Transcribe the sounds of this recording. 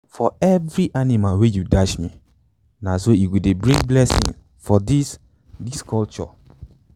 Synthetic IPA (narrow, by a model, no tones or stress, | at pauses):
fɔɛvɹiʔanimalwejudaʃmi | nasoiwidebɹĩŋblɛsḭ̃ŋs | fɔdis | diskʰɔlt͡ʃɔ̰